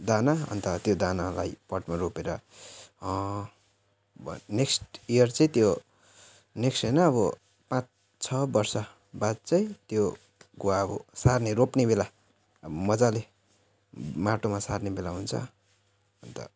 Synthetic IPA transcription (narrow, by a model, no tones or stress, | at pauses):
d̪anaʌ̰nt̪ʌt̪jod̪anala̰jpʌʈmaropeɾʌ | neksʈijʌrt͡sʌĩt̪jo | neksʈejnʌːβʌ | pãt͡s | t͡sʰʌbʌrsʌ | bad̪̚t͡sʌĩt̪jo | ɡuwaʌbʌ̰sarneropnebela | mʌd͡zale | maʈomasarnebelaɦunt͡sʰʌ̰ | ʌnt̪ʌ̰